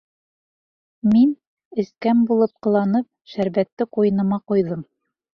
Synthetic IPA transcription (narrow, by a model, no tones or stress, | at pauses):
min | ɘ̆skæmbulˠɤp̚qɤ̆lˠɑnɤp̚ʃæɾβæt̪ːɘqujɤ̆nɤ̆mɑqujðɤm